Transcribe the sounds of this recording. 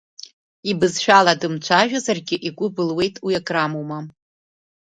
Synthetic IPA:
ibɨzʃᶣaladɨmt͡ʃʷʰaʒᶣazarɡʲɪʔikʷʼʊbɨlwe̞jtʼwijakʼramuma

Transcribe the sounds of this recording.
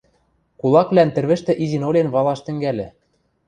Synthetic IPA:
kulˠɑkβlænt̪ɘ̆rβɘ̆ʃt̪ɘ̆ʔizinolʲenβɑlˠɑʃt̪ɘ̆ŋɡælʲɘ̆

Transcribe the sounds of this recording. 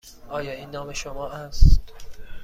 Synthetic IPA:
ɒːjɒːiːnːɒːme̞ʃomɒːʔæst̪

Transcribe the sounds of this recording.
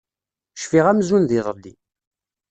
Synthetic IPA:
ʃfiʁæmzunðiðˤəlːi

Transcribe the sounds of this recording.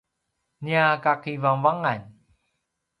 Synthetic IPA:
niakakivaŋvaŋan

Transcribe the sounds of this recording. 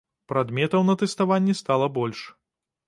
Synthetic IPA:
pɾad̪mʲɛt̪ɐwnɐt̪ɛst̪avanʲːɛst̪alˠɐbɔlʲʂ

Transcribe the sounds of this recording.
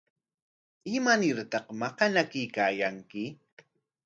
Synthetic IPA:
ɪmanɪɾt̪ɑqmɑqɑnakɪjkaːjaŋkɪ

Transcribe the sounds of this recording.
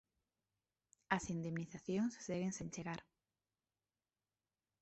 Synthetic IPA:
ɐsind̪emniθaθjoŋsːeɣeŋsẽnt͡ʃeɣaɾ

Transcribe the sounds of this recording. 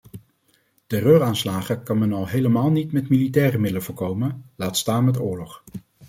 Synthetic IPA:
tɛrøːraːnslaːχəkɑnmɛnɑlˠɦejləmaːlˠnitmɛtmilitɛːrəmɪdələvʊːɹkowmənlaːtstaːnmɛtʊːɹlɔχ

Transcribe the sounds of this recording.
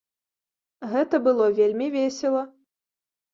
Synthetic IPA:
ɣɛt̪ɐbɨlˠɔvʲelʲmʲivʲesʲɛlˠɐ

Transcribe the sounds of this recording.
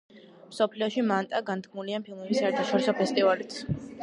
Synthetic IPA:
msɔpʰliɔʃimant̪ʼaɡant̪kʰmuliampʰilˠmɛbisaɛɾt̪ʰaʃɔɾisɔpʰɛst̪ʼivalit̪sʰ

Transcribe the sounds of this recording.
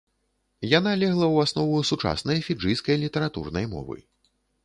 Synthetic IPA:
janalʲɛɣlˠɐwasnɔvusut͡ʂa̰snɐjfʲid͡ʐɨjskɐjlʲit̪ɛɾat̪ṵrnɐjmɔ̰vɨ̰

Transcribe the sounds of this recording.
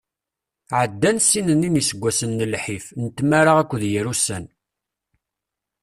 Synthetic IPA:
ʕəd̪ːænsinəninisəɡʷːæsənːəlħifnət̪ːmaɾaʁækʷːðjəɾusæn

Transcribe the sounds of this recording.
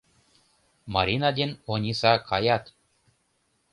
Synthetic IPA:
maɾinad̪ʲinonʲisakʰajat̪

